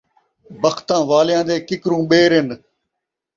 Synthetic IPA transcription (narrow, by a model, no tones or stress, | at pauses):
bəxʰt̪ãːʋaːlɪjãːd̪eːkɪkɾũːɓeːɾɦɪn